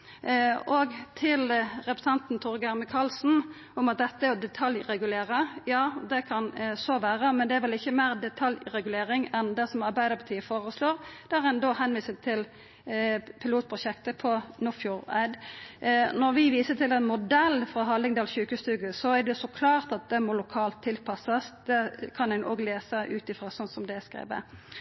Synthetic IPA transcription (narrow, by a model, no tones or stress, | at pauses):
ɔɡt̪ʰɪlɾɛpɾə̥sɛnt̪n̩t̪ʰʊʁɡæɾməkʰɑlsn̩ | ʊmɑt̪̚d̪ɛt̪ːəæɾɔd̪ɛt̪ʰɑljɾɛɡʉleːɾəjɑːd̪ɛkʰɑnsɔʋæːʁəmɛnd̪ɛæʋɛlɪçːəmeːʁd̪ɛt̪ʰɑljʁɛɡʉleːɾɪŋɛnd̪ɛsɔmɑʁbæɪd̪əɾpʰɑt̪iːəfoːʁəsloːʁd̪̥æʁɛnd̪oːhɛnʋiːsət̪ʰːɪl | pʰɪluːt̪̚pʰʁʊɕɛkt̪əpʰɔnʊfjuːʁæ̰d̪ | nɔʁʋɪʋiːsət̪ʰɪlɛnmʊd̪ɛlːfʁɑɦɑlːɪŋd̪ɑːlçʉːkəst̪ʉːɡəsɔæd̪ɛsɔkʰlɑːʁt̪ɑt̪̚d̪ɛmɔlʊkʰɑːlt̪ʰːɪlpʰɑsɑsd̪ɛkʰɑnænʔo̰ːɡleːsəʔʉːt̪ɪfɾɑsɔnsɔmd̪ɛskɾḛːʋə̰